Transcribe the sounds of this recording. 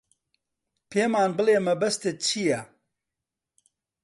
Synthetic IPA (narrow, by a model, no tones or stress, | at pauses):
pʰeːmaːnbɨleːmɐbɐst̪et͡ʃʰijɛ